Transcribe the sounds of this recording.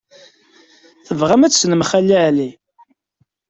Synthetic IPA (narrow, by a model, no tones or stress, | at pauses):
θəvʁamæt͡sːsnəmχælːiʕli